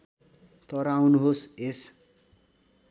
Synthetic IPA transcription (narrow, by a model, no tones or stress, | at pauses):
t̪ʌɾawnuɦoses